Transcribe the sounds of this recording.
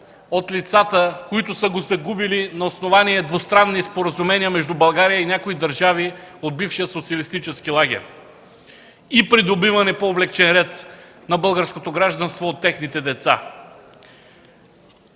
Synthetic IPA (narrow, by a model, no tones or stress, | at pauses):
ot̪lit̪sat̪əkoit̪ʊsəɡozɐɡubilinɐosnovaniɛd̪vost̪ɾanːispoɾəzumɛniəmɛʒd̪ubɐlˠɡaɾijəinʲjakoid̪ɐɾʒaviod̪̚bifʃijəsot̪siɐlist̪it͡ʃɛskilˠaɡ̟ʲɛ̰ɾʲ | ipɾid̪obivɐnɛpoːblɛkt͡ʃɛnɾɛt̪ | nɐbɤlˠɡəɾskot̪oɡɾaʒd̪ɐnst̪voːt̪ːɛxnit̪ɛd̪ɛt̪sa̰